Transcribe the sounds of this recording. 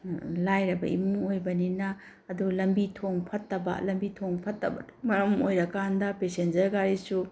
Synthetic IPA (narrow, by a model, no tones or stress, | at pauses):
lajɾɐbɐ̰ʔḭmuŋojbɐninɐː | dulɐmbitʰoŋpʰɐtːɐbɐ̰lɐmbitʰoŋpʰɐtːɐ̰bɐ̰mɐɾɐmojɾɐkandɐpesend͡ʒɐɾɡaɾisu